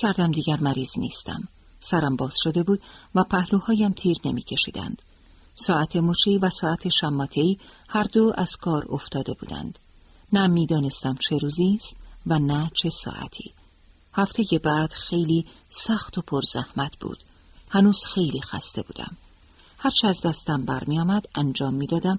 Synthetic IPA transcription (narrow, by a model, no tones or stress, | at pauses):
cʰæɾd̪æmd̪iːɟæɾmæɾiːznḭːst̪æ̰m | sæɾæmbɒːz̥ʃo̞d̪e̞buːd̪̥̚væpʰæhluːhɒːjæmt̪ʰiːɾne̞mḭcʰe̞ʃḭːd̪æ̰nd̪̥ | sɒːæt̪ʰe̞mot͡ʃʰivæsɒːæt̪ʰe̞ʃæmːɒːt̪ʰe̞iːhæɾd̪oʔæz̥kʰɒːɾo̞̰ft̪ɒːd̪e̞bṵːd̪æ̰nd̪̥ | næmiːd̪ɒːne̞st̪æmt͡ʃʰe̞ɾuːzist̪vænæt͡ʃʰe̞sɒ̰ʔæ̰t̪ʰḭː | hæft̪ʰe̞je̞bæd̪̥xe̞jliːsæxt̪o̞pʰoɾz̥æhmæt̪ʰb̥ṵːd̪̥ | hænuːz̥xe̞jliːxæ̰st̪e̞bṵːd̪æ̰m | hæɾt͡ʃʰeæzd̪æst̪æmbæɾmiɒːmæd̪̥ænd͡ʒɒːmːiːd̪ɒːd̪æm